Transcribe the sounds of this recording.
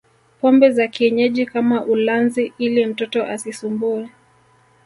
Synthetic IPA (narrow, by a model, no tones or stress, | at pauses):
pɔmbɛzakiɛɲɛʄikamaʔulanziilim̩tɔtɔʔasisumbuɛ